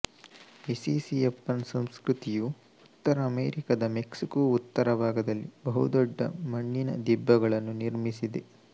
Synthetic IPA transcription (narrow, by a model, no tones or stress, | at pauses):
isisiepːɐnsɐmskɾut̪iju | ut̪ːɐɾɐːmeːɾikɐd̪ɐmeksikoːut̪ːɐɾɐbʱaːɡɐd̪ɐlːibɐɦud̪ɔɖːɐ̰mɐɳːinɐ̰d̪ibːɐɡɐɭɐnːuniɾmisid̪e̞